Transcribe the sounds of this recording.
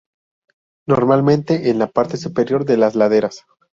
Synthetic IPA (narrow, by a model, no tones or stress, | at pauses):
no̞ɾmalmẽ̞nt̪e̞ʔenlapaɾt̪e̞supe̞ɾjo̞ɾðe̞lazlaðe̞ɾas